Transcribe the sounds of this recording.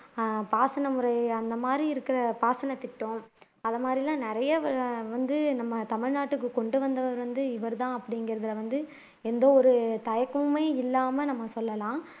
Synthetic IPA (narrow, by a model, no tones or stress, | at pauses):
paːsɐnɐmɯɾɐɪɐnd̪ɐmaːd̪ɾiɪɾɯkːɪɾɐpaːsɐnɐt̪ɪʈːõː | ɐðɐmaːd̪ɾilãːnɪɾɐjɐʋɐʋɐnd̪ɯnɐmːɐt̪ɐmɪɻnaːʈːɯkːɯkɔɳɖɯʋɐnd̪ɐʋɐɾʋɐnd̪ɯɪʋɐɾt̪ãːɐpːɐɽɪŋɡɪɾɐðɪlɐʋɐnd̪ɯ | ɛnd̪oːɔɾɯt̪ɐjɐkːɯmeːɪlːaːmɐnɐmːɐsɔlːɐlãː